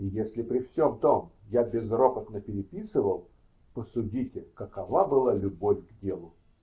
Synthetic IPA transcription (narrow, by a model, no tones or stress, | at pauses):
jesʲlʲɪpɾʲɪfsʲomt̪omjabʲɪzropət̪nəpʲɪɾʲɪpʲisɨvəlˠ | pəsʊdʲitʲɪkəkɐvabɨlˠalʲʊbofʲɡdʲe̞lˠʊ